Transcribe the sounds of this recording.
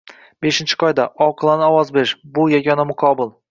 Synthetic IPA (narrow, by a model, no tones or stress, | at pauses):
be̞ʃɪnt͡ʃʰɪ̥qʰɒjd̪aʔɒqʰɨlˠanɪɒwɒzbeʃbʊjaɡʲɒnamʊqʰɒbɪlˠ